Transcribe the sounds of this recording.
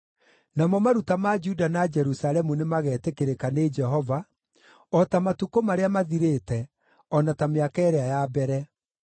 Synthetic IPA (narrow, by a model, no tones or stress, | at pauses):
namɔmaɾutamad͡ʒudanad͡ʒɛɾusalɛmunemaɣɛːtekeɾekaned͡ʒɛɦɔva | ɔtamatukomaɾeamaðiɾetɛ | ɔnatameakɛɛɾeajabɛɾɛ